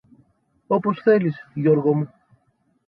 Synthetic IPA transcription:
opo̞sθe̞lisʝoɾɣo̞mu

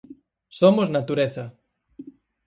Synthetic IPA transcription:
somoznat̪uɾeθɐ

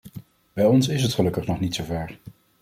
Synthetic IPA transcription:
bɛjɔnsɪsɦətχəlɵkəχnɔχnitsowvɛɹ

